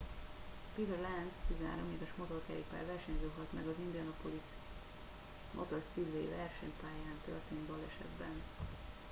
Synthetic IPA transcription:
pit̪ɛrlɛɛnst̪izɛnɦa̰ːɾomeːvɛʃmot̪o̞rkɛɾḭkpa̰ːjvɛrʃɛɲzoːɦɒt̪mɛɡɒzind̪iɒno̞polis | mʔot̪o̞rsilvejḭvɛrʃɛ̰ɲpaːjaːnt̪ø̰rt̪eːnbɒlɛʃɛ̰d̪bɛn

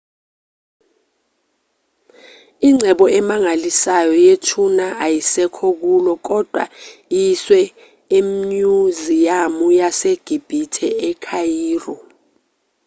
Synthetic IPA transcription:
iŋ͡ǀʱɛɓɔɛmaŋalisajɔjetʰunaʔajisɛkʰɔk̬ulɔk̬ɔd̥ʱwa̰iswɛ | em̩ɲuzijamujaseɡ̥ʱib̥ʱitʰɛɛkʰajiːrɔ

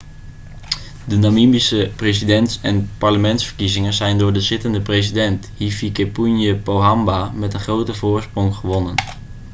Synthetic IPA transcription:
dənamimbisəprezidɛntsɛnpɑɹləmɛntsfəɹkizɪŋənzɛjndʊːɹdəzɪtəndəprezidɛnthifikepunjəpowɦɑmbamɛtənχrowtəvʊːɹsprʊŋχəʋɔnən

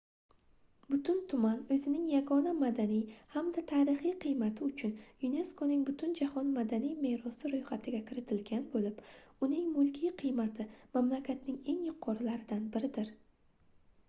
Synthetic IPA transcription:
bʊt̪ʰʊnt̪ʰʊmanɵzɪnɪŋjaɡɒnamad̪anijhamd̪at̪ʰaːɾɪχijqʰɨjmat̪ʰɪʊt͡ʃʰʊnjʊne̞skʰonɪŋbʊt̪ʰʊnd͡ʒahɒnmad̪anijme̞ɾɒsɪɾojχat̪ʰɪɡʲakʲʰɪɾɪt̪ʰɪlɡʲanbolɪpʊnɪŋmʊlˠkʲʰijqʰɨjmat̪ʰɪmamlakʲʰat̪nɪŋe̞ŋjʊqʰːɒɾɪlaɾɪd̪anbɪɾɪd̪ɪɾ

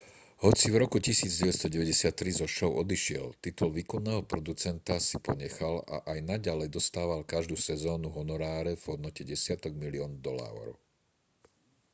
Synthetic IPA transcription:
ɦɔt͡sivɾɔkucisiːd͡zɟɛʋɛst̪ɔɟɛʋɛɟɛsɪat̪ːɾizɔʃɔʊɔd̪iʃɪɛ̰lt̪it̪ulʋiːkɔnːɛːɦɔpɾɔd̪ut͡sɛnt̪asipɔɲɛxala̰ʔajnaɟalɛjd̪ɔst̪aːʋalkaʒd̪uːsɛzɔːnuɦɔnɔɾaːɾɛvɦɔd̪nɔcɛɟɛsɪat̪ɔɡ̚miliɔːnd̪ɔla̰ʊʊ

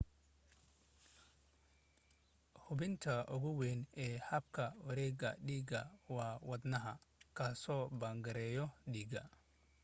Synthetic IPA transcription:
hʊbɪnt̪ʰɐʔʊɣʊwɛnɛːhɐbkʰɐwɐɾɛːɣɐ̰ɖiːɡɐ̰wɑːwɐd̪nɐɦɐkʰaːsɔːbɐːŋɡɐɾɛːjɔɖiːɡɐ̰

